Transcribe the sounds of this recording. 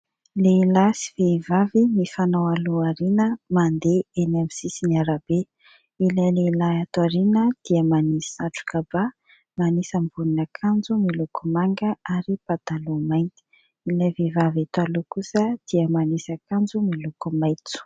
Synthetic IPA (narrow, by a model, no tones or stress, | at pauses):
leilasi̥vevavinifanawaluaɾinəmand̪eenemsisiniaɾab̥e | ilaleilaat̪waɾinəd̪̥iəmanisi̥saʈ͡ʂu̥kaba | manisəmbuninakʰand͡zumilukumaŋɡəaɾipat̪alumajnt̪i̥ | ilavevavat̪walukusəd̪̥iəmanisakand͡zumilukumajt͡su̥